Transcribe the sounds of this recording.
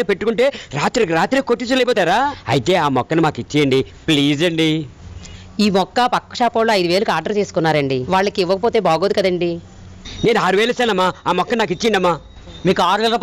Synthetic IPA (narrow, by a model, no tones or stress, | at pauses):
nipe̞ʈːukuɳʈe̞ːɾaːt̪ɾikiɾaːt̪ɾikoʈːit͡ʃulɐjp̬ɔːt̪aːɾaːɐjit̪e̞ːaːmɔkːɐnimaːkit͡ʃːɐjɐɳɖi | pliːd͡ʒɐɳɖi | iːmɔkːɐpɐkːɐ̥ʃaːpɐwloːɐjd̪uʋe̞ːlukaːɾɖɐɾt͡ʃe̞ːsu̥kunːaːɾɐɳɖiʋaːɭːɐkiiʋːɐkɐpoːt̪e̞ːbaːɡoːd̪ukɐd̪ɐɳɖi | ne̞ːnaːɾuʋeːlɐsaːnɐmːaːaːmɔkːɐnaːkit͡ʃːijɐɳɖɐmːaː | miːkuaːɾʋeːlɐ